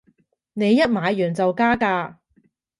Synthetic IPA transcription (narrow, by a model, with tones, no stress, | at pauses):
ne˨˧jːɐ˥t̚maː˨˧jjyː˨˩nt͡sɐ˨wkaː˥kaː˧